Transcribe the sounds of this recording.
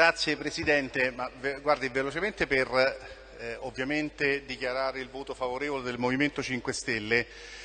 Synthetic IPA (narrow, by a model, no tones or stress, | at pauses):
ɾat̪sːjepɾesid̪ɛnt̪emavɡward̪ivelot͡ʃement̪eper | ovːjament̪ed̪ikjaɾaːɾeilvoːt̪ofavoɾeːvoled̪elmoviment̪ot͡ʃiŋkwest̪elːe